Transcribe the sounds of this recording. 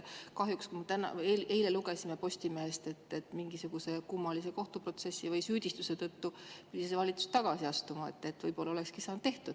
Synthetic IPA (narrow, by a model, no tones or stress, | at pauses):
kɑɦjukskumɑt̪ænɑ̰eleileluɡesimepo̞sʲt̪imeɦest̪e̞t̪ːet̪ːmiŋɡisuɡ̥use̞kumːɑlis̬e̞ko̞ht̪upro̞t̪se̞sːivɯjsyːd̪̥ʲist̪use̞t̪ɤt̪ːupyd̪ʲisevɑlʲit̪su̥st̪ɑɡ̥ɑsiɑst̪umɑḛt̪ːe̞t̪ːvɤjpo̞lːɑolekskisɑːnd̪t̪eht̪ud̪̥